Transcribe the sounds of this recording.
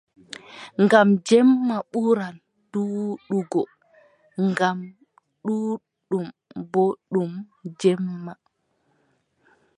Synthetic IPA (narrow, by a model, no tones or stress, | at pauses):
ŋɡamd͡ʒɛmːaɓuɾan | d̥uɗuɡɔ | ŋɡam | ɗu | ɗumbɔɗumd͡ʒɛmːa